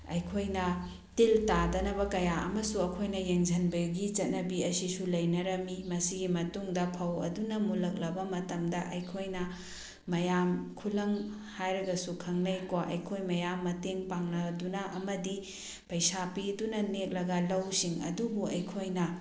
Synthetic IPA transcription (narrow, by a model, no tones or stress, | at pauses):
ɐ̰jkʰojnɐ | tiltadɐnɐβɐkɐjaɐ̰mɐsuɐkʰojnɐjeŋzʱɐnbɐɡit͡ʃɐt̚nɐbiɐsisulɐjnɐɾɐmimɐsiɡimɐtuŋdɐpʰɐwɐ̰dunɐmulɐk̚lɐbɐmɐtɐmdɐʔɐjkʰojnɐ | mɐjamkʰulɐŋ | hajɾɐɡɐsukʰɐŋnɐjkwaʔɐjkʰojmɐjamːɐteŋpaŋnɐdunɐʔɐmɐdi | pɐjsapidunɐnek̚lɐɡɐlɐwsiŋɐ̰dubuʔɐjkʰojnɐ